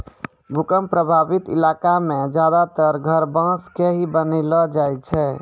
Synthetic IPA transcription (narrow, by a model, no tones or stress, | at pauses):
bʱukəmpɾəbʱabit̪ḭlakamed͡ʒad̪at̪əɾɡʱəɾbãskeɦibənɛlɔd͡ʒaj̪t͡ʃʰɛ